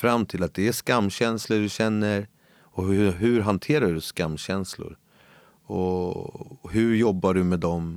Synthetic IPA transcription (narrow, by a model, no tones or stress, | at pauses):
fɾamːt̪ʰɪlat̪̚d̪ɛæʂkamːɕɛnsləɖɵɕɛnːəɾ | ɔhɦɵɾɦant̪ʰeːɾaɖɵskamːɕɛnslʊ̰ɾ | ɔ | ɦɵɾjɔbːaɖɵmɛd̪ɔm